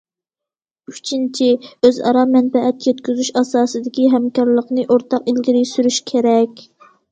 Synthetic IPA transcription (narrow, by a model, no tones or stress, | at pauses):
yt͡ʃʰint͡ʃʰiøzɑ̰ɾɑmɛnfɛʔɛt̪jɛt̪kʲyzyʃɑsɑːsɨd̪ɪkʲiɦɛmkɑɾlˠəqnɨʔoɾt̪ʰɑqilɡʲiɾijsyɾyʃkʲʰeɾɛkʲ